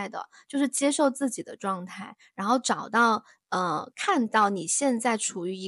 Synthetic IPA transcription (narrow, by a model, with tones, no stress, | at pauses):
ɪd̪ə̰˩t͡ɕjo˥˧ʊʂɻ̩˥˩t͡ɕjɛ˥ʂo˥˧ʊt͡sɹ̩˥˩t͡ɕi˨˩d̪ə̰˦ʈ͡ʂwɑ˥˧ŋt̪ʰa˥˩ɪɻa˧˥nxo˥˩ʊʈ͡ʂɑ˨˩ʊt̪ɑ˥˩ʊ | ə˧kʰa˥˧nt̪ɑ˥˩ʊni˨˩ɕjɛ˥˧nt͡sa˥˩ɪʈ͡ʂʰu˨˩y˧˥˧